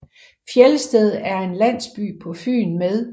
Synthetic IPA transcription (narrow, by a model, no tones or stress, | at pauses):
fjeləsd̥eð̞ˠæɐe̝nlæn̰sb̥y̰ːpʰɒ̽fy̰ːnmeð̞ˠ